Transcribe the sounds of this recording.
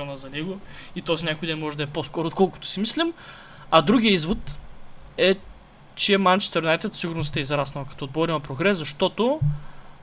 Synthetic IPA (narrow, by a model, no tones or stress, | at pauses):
ɔnɐzɐnɛɡʊit̪ojsnʲakoid̪ɛnmɔʒɛd̪ɐɛposkɔɾoːt̪̚kɔlˠkʊ̥t̪ʊ̥simislim | ɐd̪ɾuɡijəizvot̪ | ɛ | t͡ʃiɛmant͡ʃɛ̥st̪ɛɾnajt̪ɛt̪fsiɡʊɾnʊst̪ɛizɾasnɐvɐkɐ̥t̪ood̪̚bɔɾimɐpɾoɡɾɛszɐʃt̪ɔt̪o